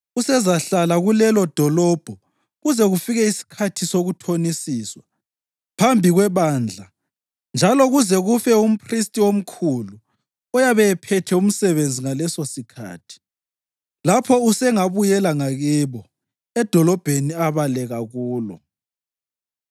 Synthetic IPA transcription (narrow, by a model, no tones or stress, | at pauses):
usɛzaɬalaɣulɛlɔd̥ʱɔlɔb̥ʱɔ | ɣuzɛɣufiɣɛisi̥kʰatʰisoɣutʰonisiːswa | pʰambʱiɣwɛβand͡ɮʱa | nd͡ʒʱalɔɣuzɛɣufɛum̩pʰristʼiom̩kʰulu | ɔjaβɛɛpʰɛtʰɛum̩sɛβend͡zʱiŋalɛsosikʰa̰ːtʰi̥ | lapʰɔusɛŋaβujɛlaŋaɣiβɔ | ɛd̥ʱɔlɔb̥ʱeniaβalɛɣaɣuːlɔ̰